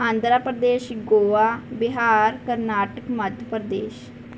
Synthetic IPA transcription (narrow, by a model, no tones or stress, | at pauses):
ãːnd̪ɾaːpɾəd̪eːʃɡoːaːbɪɦaːɾkəɾnaːʈəkməd̪ʱjəpəɾd̪eːʃ